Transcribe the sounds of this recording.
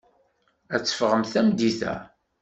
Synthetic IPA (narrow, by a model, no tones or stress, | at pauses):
æt͡sːə̥fʁəmθæmd̪iθæ̰